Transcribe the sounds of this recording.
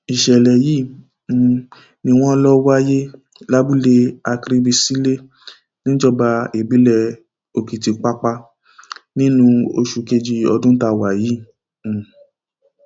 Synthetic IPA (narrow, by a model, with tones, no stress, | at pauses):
i˨ʃɛ˨lɛ˨jĩ˦˨ | nĩ˧w̃ɔ̃˦lɔ˦wa˦je˦ | la˦bu˦le˧a˧kɾi˧bi˧si˦le˦ | nĩ˦d͡ʒɔ˦˨ba˧e˨bi˨˦lɛ˧ | o˧ki˨ti˧k͡pa˦k͡pa˧ | nĩ˦nũ˦o̰˧ʃu˧ke˧d͡ʒi˧ɔ˧dũ˦ta˧wa˨jĩ˨˦˨